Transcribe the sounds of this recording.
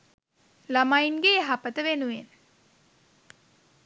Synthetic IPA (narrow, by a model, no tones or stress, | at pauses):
lamajnɡeɦapət̪əʋenuen